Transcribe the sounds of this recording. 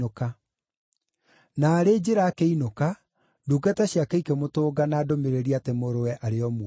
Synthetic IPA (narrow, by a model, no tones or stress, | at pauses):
oka | naːɾeːd͡ʑeɾaːkeinoka | duːɡataɕjakaikemotoːɡanaːdomeɾeɾiatemoɾowɛʔaɾeɔmu